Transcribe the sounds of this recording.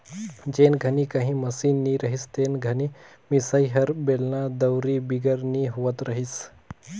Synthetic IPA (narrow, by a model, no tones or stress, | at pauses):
d͡ʒeːnɡʱɐnikəɦĩməsiːnːiɾəɦist̪eːnɡʱəni | misəiɦɐɾbelnad̪əwɾibiɡəɾniɦuʋət̪ɾəɦis